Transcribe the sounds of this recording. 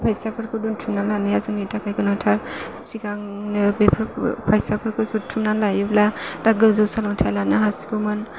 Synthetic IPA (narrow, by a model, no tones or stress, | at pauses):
pʰajsapʰɯɾkɯduntʰumnalanijazɯŋnitakʰajɡɯnɔtʰaɾstiɡaŋbepʰɯɾpʰajsapʰɯɾkʰɯzutʰumnalajɯbladaɡɯwzɯwsalɔŋtʰalanɯɦasi̥komɯn